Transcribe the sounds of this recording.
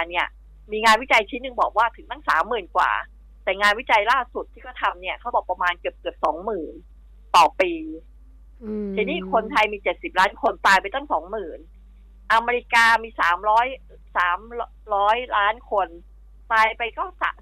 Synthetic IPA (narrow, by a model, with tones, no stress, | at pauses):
ni˥˩ɐ | miː˧ŋaː˧nwi˦˥˩t͡ɕa˧jt͡ɕʰiː˦˥nːɯ˧ŋbɔː˨˩k̚waː˥˩t̪ʰɯ˩˦t̪a˥˩ŋsa̰ː˩˦mːɯː˨˩nkwa̰ː˨˩ | t̪ɛː˨˩ŋaː˧nwi˦˥t͡ɕa˧jlaː˥˩su˨˩t̪̚ʰːiː˥˩kɔː˥˩t̪ʰa˧mni˥˩ɐkʰa˦˥wbɔː˨˩pɾa˧maː˧nkɯ˨˩əp̚kɯ˨˩əp̚sɔː˩˦ŋmɯː˨˩n | t̪ɔː˨˩piː˧ | t͡ɕʰi˧niː˦˥˩kʰo˧nt̪ʰa˧jmiː˧t͡ɕe˨˩t̪̚si˨˩p̚laː˦˥nkʰo˧nt̪aː˧jpa˧jt̪a˥˩ŋsɔː˩˦ŋmɯː˨˩n | ʔa˧me˧ɾi˧˥kaː˧miː˧saː˩˦mɾɔː˦˥j | saː˩˦m | ɾɔː˦˥jlaː˦˥nkʰo˧n | t̪aː˧jpa˧jkɔː˥˩sa̰˨˩